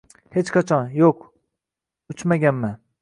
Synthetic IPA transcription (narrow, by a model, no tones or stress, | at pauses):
het͡ʃkʰɑt͡ʃʰɑnjok | yt͡ʃmæɡʲænmæ